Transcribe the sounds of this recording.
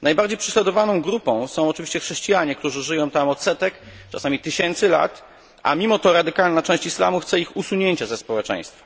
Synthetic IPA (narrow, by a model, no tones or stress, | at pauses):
najbaɾd͡ʑejpʂɛɕlad̪ɔvanɔ̃w̃ɡɾupɔ̃w̃sɔ̃w̃ɔt͡ʂɨvʲiɕt͡ɕɛxʂɛɕt͡ɕijaɲɛkt̪uʐɘʐɘjɔ̃w̃t̪amɔt̪sɛt̪ɛk | t͡ʂa̰samʲit̪ɘɕɛnt̪sɘla̰t̪ | ʔa̰mʲimɔt̪ɔɾad̪ɘkalnat͡ʂɛ̃w̃ɕt͡ɕisla̰muxt̪sɛixusuɲeɲt͡ɕazɛspɔwɛt͡ʂɛ̰̃j̃st̪fḁ